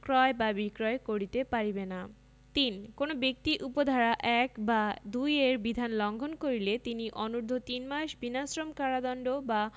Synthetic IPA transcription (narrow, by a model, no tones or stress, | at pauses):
kɾɔebabikɾɔekoɾit̪epaɾibena | t̪inkonobek̚t̪iʔupod̪ʱaɾaʔɛkbad̪ujeɾbid̪ʱanlɔŋɡʱonkoɾilet̪iniʔɔnuɾd̪ʱot̪inmaʃbinasɾomkaɾad̪ɔnɖoba